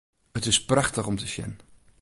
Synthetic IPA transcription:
ətɪsprɑχtəχɔmtəʃjɛ̰n

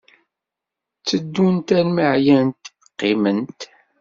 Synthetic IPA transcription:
t͡sːəd̪ːunt̪ælməʕjænt̪ | qːimənt̪

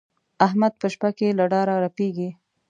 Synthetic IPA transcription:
aɦmad̪̚pəʃpakelaɖɑɾaɾapeɡi

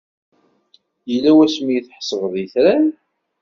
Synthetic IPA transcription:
jəlːæwæsmijiθħsˤəvəðˤjəθɾæn

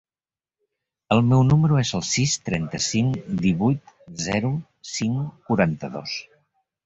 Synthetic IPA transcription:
əlˠmɛwnuməɾuezəlˠsist̪ɾɛnt̪əsiŋd̪iβujt̪zɛɾu | siŋkuɾant̪əðo̰s

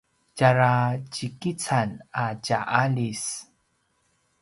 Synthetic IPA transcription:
t͡ʃaɾat͡ʃikit͡sanacaʔalis

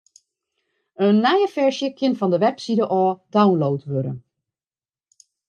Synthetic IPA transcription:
ənːajəfɛɹʃjəkɪnvɑndəʋɛpsidəʔɔːd̥awnlowtʋøɾə̰n

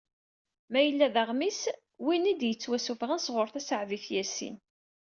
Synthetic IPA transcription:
mæjəlːæðəʁmis | winid̪jət͡sːwæsufʁənsʁʊɾˤθæsəʕviθjæsḭn

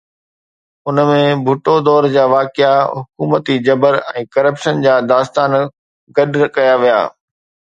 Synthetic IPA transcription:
ʊnəmẽbʱʊʈod̪ɔːɾd͡ʑaːʋaːkɪaɦʊkuːmət̪id͡ʑɐbəɾɛ̰̃ːkɐɾəpʃənd͡ʑaːd̪aːst̪aːn | ɡɐɗɾɐkɐjaʋija̰ː

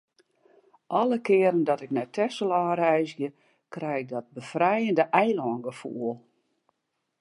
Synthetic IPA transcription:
ʔɔlˠəkɪəɾəndɔtɪknɛtʰɛsəlˠaːɾɛjzjə | krɛjɪk̚dɔt̚bəfrɛjəndəʔɛjlɔːnɡəfṵəlˠ

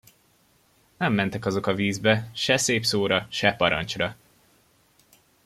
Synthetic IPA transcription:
nɛmːɛnt̪ɛkɒzo̞kɒviːzbɛʃɛseːpsoːɾɒʃɛpɒɾɒ̰nt͡ʃrɒ

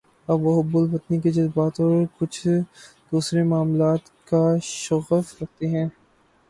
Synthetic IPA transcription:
ɐbʋoɦʊbʊlpɐt̪niked͡ʒɐzbaːt̪ɔːɾkʊt͡ʃʰ | d̪̥uːsɾemaːmlaːt̪ | kaʃʊɣəfɾɐk̚t̪eɦɛ̃ː

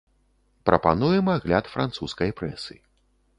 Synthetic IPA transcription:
pɾɐpanujɛmaɣlʲat̪fɾant̪suskɐjpɾɛ̰sɨ̰

